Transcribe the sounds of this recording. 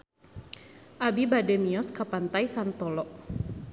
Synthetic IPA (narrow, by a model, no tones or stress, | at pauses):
ʔabibadɛmiɔskapant̪ajsant̪ɔlɔʔ